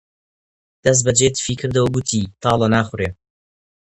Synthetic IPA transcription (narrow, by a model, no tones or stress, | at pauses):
d̪̥ɐs̬t̪̚bɐd͡ʒet̪ʰfiːkʰɨɾd̪ɐwɐɡut̪ʰiːt̪ʰɑːlɐnaːχʊreː